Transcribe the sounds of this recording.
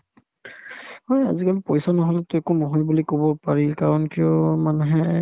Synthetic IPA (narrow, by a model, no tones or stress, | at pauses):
hɔja̰zikalupɔjsanɔɦɔlɛtʊɛkunɔɦɔjbulikobɔpaɹikaɹɔnkijɔmanuɦɛ